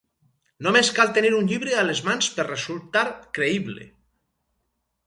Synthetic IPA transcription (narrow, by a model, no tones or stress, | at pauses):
nomeskalˠt̪eniɾuɲʎiβɾealezmansperrezulˠt̪aɾkɾeiβlḛ